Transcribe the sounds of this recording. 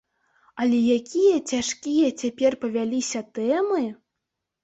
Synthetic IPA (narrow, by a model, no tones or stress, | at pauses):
alʲejakʲijɛt͡ɕʲaʂkʲijɛtʲepʲerʲpɐvʲælʲisʲɐt̪ɛmɨ